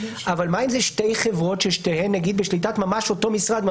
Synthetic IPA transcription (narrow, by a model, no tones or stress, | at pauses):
avalmaimzeʃtejχevʁo̞tʃeʃteɦemnːaɡid̪beʃlit̬atmamaʃo̞to̞misʁad̪ma